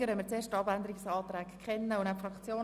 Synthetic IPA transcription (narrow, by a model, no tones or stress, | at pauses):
əɾɛmət͡seːɾʃtɑbændəɾiksɑːt̪ɾɛːkkχɛnːəʊnæpfrɑkt͡sjoː